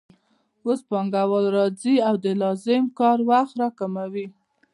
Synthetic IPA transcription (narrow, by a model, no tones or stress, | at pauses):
ospɑŋɡawəlɾɑd͡ziawd̪əlɑzɪmkɑɾwaxt̪ɾɑkamawi